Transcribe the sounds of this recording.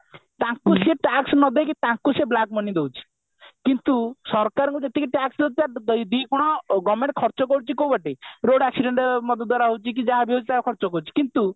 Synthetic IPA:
t̪ãkuseʈaksnɔd̪ekit̪ãkuseblakmɔnid̪ewt͡ʃʰi̥ | kint̪usɔɾkaɾŋkd͡ʒet̪ekiʈaksd̪ɔd̪t̪ad̪jd̪ikuɽ̃ɔɡɔmeɳʈ̚kʰɔɾt͡ʃɔkɔɽut͡ʃʰikowbaʈiɾoɽaksiɖeɳʈmɔd̪ʱɔd̪ːwaɾaɦowt͡ʃʰik̬id͡ʒaabiɦot͡ʃit̪akʰɔɾt͡ʃɔkɔɾut͡ʃʰi̥kint̪u

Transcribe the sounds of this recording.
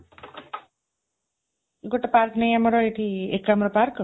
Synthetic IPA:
ɡoʈːepaɾknejamɔɾɔet̪ʰiekːamɾɔpaɾk

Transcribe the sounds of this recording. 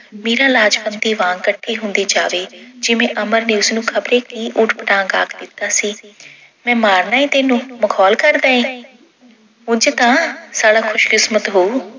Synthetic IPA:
meːɾaːlaːd͡ʒpənt̪iːʋãːŋkəʈʰːiːɦʊ̃nd̪iːd͡ʒa̰ːʋeːd͡ʒɪʋẽːʔəməɾneːʊsnũːkʰəbɾeːkiːʔʊʈpəʈãːŋɡa̰ːkʰd̪ɪt̪ːaːsiː | mɛ̃ːmaːɾnaːiːt̪eːnũːməkʰɔːlkəɾd̪aːẽː | ʊd͡ʒt̪ãːsaːɽaːkʰʊʃkɪsmət̪ɦoː

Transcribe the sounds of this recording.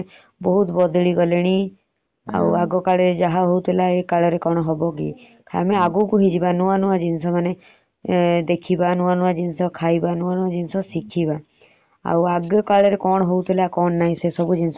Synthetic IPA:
bɔɦut̪bɔd̪ɭiɡɔleɽ̃i | a̰waɡɔkaɭɔɾed͡ʒaɦaɦowt̪ʰilaekaɭɔɾekɔɽ̃ɔɦɔbɔk̬ḭ | kʰameaɡukuɦid͡ʒibanuanuad͡ʒinsɔmane | d̪ekʰibanuanuad͡ʒinsɔkʰajbanuanũad͡ʒinsɔsikʰiba | a̰waɡjɔkaɭɔɾekɔɽ̃ɔɦowt̪ʰilakɔɳːaɦĩsesɔbud͡ʒins

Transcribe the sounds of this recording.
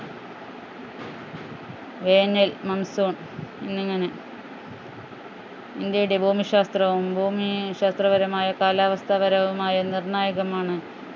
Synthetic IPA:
ʋeːnelmɐnɐsoːɳ | inːiŋːɐne | ind̪jɐjuɽe̞bʱuːmiɕaːst̪rɐʋumbʱuːmiɕaːst̪rɐʋɐɾɐmaːjɐkaːlaːʋɐst̪ʰɐʋɐɾɐʋumaːjɐnirɳaːjɐɣɐmaːɳɨ

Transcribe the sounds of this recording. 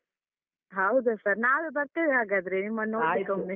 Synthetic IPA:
ɦɐwd̪usɐɾnaːʋubɐt̪ːeʋeaːɡad̪ɾenimːɐnoikːoi

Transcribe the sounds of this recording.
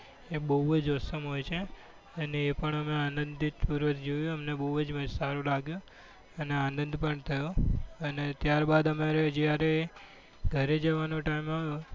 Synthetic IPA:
ebəɦuʋəd͡ʒɔsəmɦojt͡ʃʰe | əneːpəɳəmeanənd̪ʱipuɾʋət̪ʰd͡ʒojũəmnebəɦuʋəd͡ʒməd͡ʒsaɾulaɡjũ | əneanənd̪ʱpəɳt̪ʰəjoənet̪jaɾbad̪əmaɾed͡ʒjaɾe | ɡʱəɾed͡ʒəʋanoʈaimao

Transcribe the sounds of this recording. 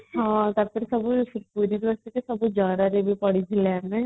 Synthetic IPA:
ɦãːt̪ɐpʰɪɾsɐbpuːɾid̪ʋəst̪ikesɐbd͡ʒjaːd̪aɾebipɐɽ̤id͡ʒʱelɛːmẽ

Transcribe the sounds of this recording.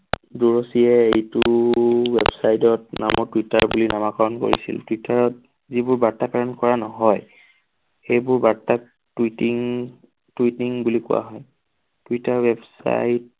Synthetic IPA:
duɹɔsiɛejtʊwebsajtɔt̚na̰mɔɹtwitaɹbulinamakɔɹɔnko̰ɹḭsḭltwitaɹɔt̚ | zibʊɹbaɹtːakaɹɔnkɔɹanɔɦɔj | ejbʊɹbata | titiŋ | twitiŋbulikʊ̰wa̰ɦɔj | twitaɹwebsa̰jt̚

